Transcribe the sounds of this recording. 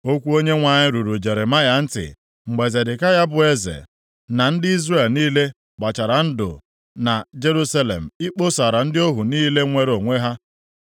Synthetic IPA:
o˦kʷu˦o˦ɲe˦ŋʷa˨ɲɪ˦ɾu˨ɾu˨d͡ʒe˨ɾe˨ma˦ja˨n̩˦tɪ̰˨ | ŋ͡m̩˨ɡ͡be˨ze˨dɪ˨ka˦ja˦bʊ˨e˦zḛ˨ | na˨n̩˦dɪ˦i˦zre˦˨lniː˦le˦ | k͡pa˨t͡ʃa˨ɾa˨n̩˦dʊ̰˨ | na˨d͡ʒe˦ɾu˦sa˦lḛ˨m̩˨i˦k͡po˦sa˨ɾa˨n̩˦dɪ˦o˦ɦu˨niː˦le˦ŋʷe˦ɾo˨ŋʷe˦ɦa˦

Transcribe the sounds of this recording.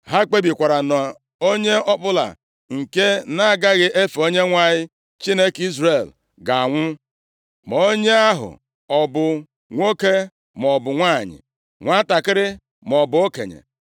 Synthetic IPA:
ɦa˦k͡pe˦bi˨kʷa˨ɾa˨nɔ˨ | o˦ɲe˦ɔ˦k͡pʊ˦la̰˨ | ŋ̩˨ke˦na˦a˨ɡa˦ɣɪ˦ʔe˦fo˦ɲe˦ŋʷa˦ɲɪ˦ | t͡ʃi˦ne˦ki˦zɾe˨l | ɡa˨a˨ŋʷʊ˦ | mo˦ɲe˦a˦ɦʊ̰˨ | ɔ˨bʊ˨ | ŋʷo˦ke˦ | m˨ɔ˨bʊ˨ŋʷa˦˨ɲɪ̰˨ | ŋʷa˦ta˨kɪ˦ɾɪ˦ | m˨ɔ˨bʊ˨o˦kḛ˨ɲḛ˨

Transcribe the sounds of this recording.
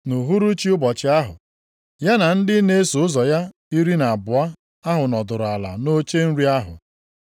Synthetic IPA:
no˨ɦu˦ɾu˦t͡ʃi˦ʊ˦bɔ˨t͡ʃɪ˦a˦ɦʊ̰˨ | ja˦na˨n̩˦dɪ˦ne˦e˦so˨ʊ˦zɔ˨ja˦ | i˦ɾi˦na˨a˨bʊ˨a˦ | a˦ɦʊ˨nɔ˨dʊ˨ɾʊ˨a˨la̰˨no˦t͡ʃe˦n̩˦ɾi˦a˦ɦʊ̰˨

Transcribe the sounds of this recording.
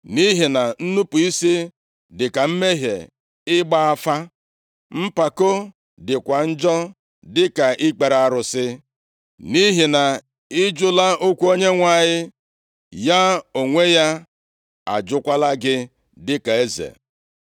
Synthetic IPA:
ni˦ɦɪ˨na˨n̩˦nu˦pu˨i˦si˦ | dɪ˨ka˨m̩˦me˦ɦḛ˨ | ɪ˦ɡ͡ba˦a˦fa˦ | m̩˦pa˨ko˦ | dɪ˨kʷa˨n̩˦d͡ʒɔ˦ | dɪ˦ka˨ʔɪ˦k͡pe˨ɾa˨ɾʊ˨sɪ˦ | ni˦ɦɪ˨na˨ | ɪ˦d͡ʒʊ˦la˦ʔo˦kʷu˦o˦ɲe˦ŋʷa˨ɲɪ˦ | ja˦o˨ŋʷe˦ja˦ | a̰˨d͡ʒʊ˦kʷa˦la˦ɡɪ˦ | dɪ˦ka˨e˦zḛ˨

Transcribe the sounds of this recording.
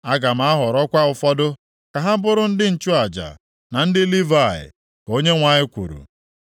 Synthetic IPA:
a˦ɡa˨m̩˨a˦ɦɔ˨ɾɔ˦kʷa˦ʊ˨fɔ˦dʊ˦ | ka˨ɦa˦bʊ˦ɾʊ˦n̩˦dɪ˦n̩˨t͡ʃʊ˦a˨d͡ʒa̰˨ | na˨n̩˦dɪ˦li˦va˦˨ɪ̰˨ | ko˦ɲe˦ŋʷa˨ɲɪ˦kʷṵ˨ɾṵ˨

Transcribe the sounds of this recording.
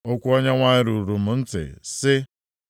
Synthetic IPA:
o˦kʷu˦ɔ˦ɲa˦ŋʷa˦ɲɪ˦ɾu˨ɾu˨m̩˨n̩˦tɪ̰˨sɪ˦

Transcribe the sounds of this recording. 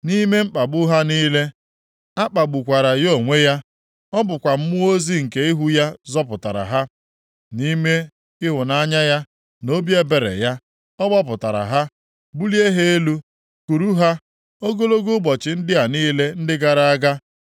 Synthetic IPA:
ni˦me˦m̩˦k͡pa˨bʊ˦ɦa˦niː˦le˦ | a˦k͡pa˨ɡ͡bʊ˨kʷa˨ɾa˨jo˦˨ŋʷe˦ja˦ | ɔ˦bʊ˨kʷa˨m̩˦mʊ˦o˦zi˦ŋ̩˨ke˦i˦ɦu˦ja˦zɔ˦pʊ˨ta̰˨ɾa̰˨ɦa˦ | ni˦me˦ | ɪ˦ɦʊ˨na˦˨˦ɲa˦ja˦ | no˦bi˦e˦be˨ɾḛ˨ja˦ | ɔ˦ɡ͡bɔ˦p̬ʊ˨ta˨ɾa̰˨ɦa˦ | bu˦li˦e˦ɦe˦e˦lu˦ | ku˨ɾu˦ɦa˦ | o˦ɡo˦lo˦ɡu˦bɔ˨t͡ʃɪ˨n̩˦dɪ˦a˨niː˦le˦n̩˦dɪ˦ɡa˦˨ɾa˦a˦ɡa˦

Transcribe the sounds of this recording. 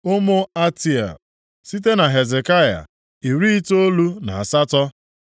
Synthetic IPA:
ʊ˦mʊ˦a˦ti˨a̰˨ | si˦te˦na˨ɦe˨ze˨ka˦ja̰˨ | i˨ɾi˦i˦to˦lu˦na˨a˨sa˦tɔ˦

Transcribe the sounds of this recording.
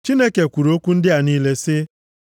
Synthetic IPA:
t͡ʃi˦ne˦ke˨kʷu˨ɾo˦kʷu˦n̩˦dɪ˦a˨niː˦le˦sɪ˦

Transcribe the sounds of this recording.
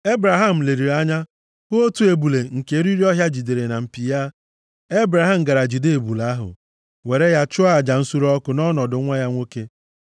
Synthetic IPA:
e˦bɾa˨ɦa˦m̩˨le˨ɾi˨ɾa˦ɲa˦ | hʊ˦o˦tu˦e˨bu˨le˨ŋ̩˨ke˨˦ɾi˦ɾi˦ɔ˦ɦja˦d͡ʒi˨de˨ɾe˨na˨m̩˨pi˨ja˦ | e˦bɾa˨ɦa˦m̩˨ɡa˨ɾa˨d͡ʒi˨de˦˨e˨bu˨la˦ɦʊ̰˨ | we˨ɾe˦ja˦t͡ʃʊ˦a˦a˨d͡ʒa˨n̩˦su˦ɾɔ˦kʊ˨nɔ˦nɔ˨dʊ˨˦ŋʷa˦ja˦ŋʷo˦ke˦

